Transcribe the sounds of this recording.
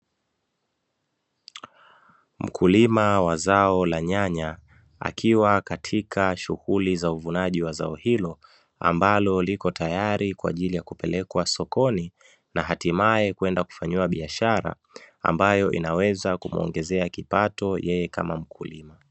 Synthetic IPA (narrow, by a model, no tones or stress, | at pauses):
m̩kʰulimawazaɔlaɲaɲa | a̰kʰiwakatʰikʰaʃuhulizauvunaʄiwazaɔhilɔ | a̰mbalɔlikɔtajaɾikwa̰ːʄilijakupɛlɛkwasɔkɔni | naɦatimaɛkwɛndaku̥faɲiwaɓiaʃaɾa̰ | a̰mbajɔʔḭnawɛzakum̩ɔ̰ŋɡɛzɛakipatɔjɛjɛka̰mam̩kʰulima